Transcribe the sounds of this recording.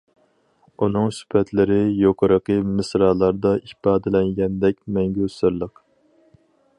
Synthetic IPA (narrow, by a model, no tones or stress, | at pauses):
unɨŋsy̥pʰɛt̪ʰlɪɾɪjoqʰəɾəqəmɨsɾɑːlˠɑɾd̪ɑʔipɑːd̪ɪlɛŋɡʲɛnd̪ɛkʲmɛŋɡʲøsɨɾlˠəq